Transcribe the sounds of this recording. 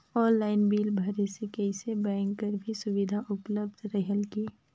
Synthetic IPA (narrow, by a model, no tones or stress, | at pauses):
ɔːnlaːɪnbiːlbʱɐɾesekɛɪsebɛ̃ːŋɡkəɾbʱisʊʋɪd̪ʱaʔʊpləb̚d̪ɾəɦəlki